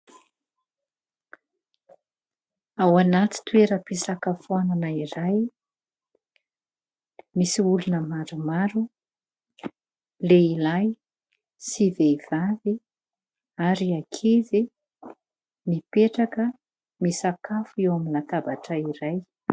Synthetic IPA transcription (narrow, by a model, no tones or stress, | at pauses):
awanat̪i̥t̪weɾəpisakafuananaiɾaj | misiulunəmaɾumaɾu | leilaj | sivev̥avi | aɾiakʰezi | nipeʈ͡ʂakə | misakafuewaminat̪abaʈ͡ʂəiɾaj